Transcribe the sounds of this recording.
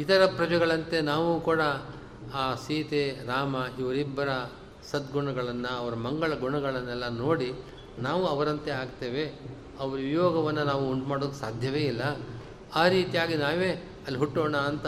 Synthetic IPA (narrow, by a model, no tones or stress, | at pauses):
it̪ɐɾɐpɾɐd͡ʒɐɡɐɭɐnt̪e̞naːʋukuːɽɐ | aːsiːt̪eɾaːmɐiʋɐɾibːɐɾɐ | sɐd̪ɡuɳɐɡɐɭɐnːɐɐʋɐɾɐmɐŋɡɐɭɐɡuɳɐɡɐɭɐnːɛlːɐnoːɽi | naːʋuɐʋɐɾɐnt̪e̞aːɡt̪e̞ːʋe̞ | ɐʋɐɾujɔːɡɐʋɐnːɐnaːʋuoɳɖmaːɽoːd̪usaːd̪ʱjɐʋeːilːɐ | aːɾiːt̪ijaːɡinaːʋeː | ɐlːiɦuʈːoːɳaːnt̪ɐ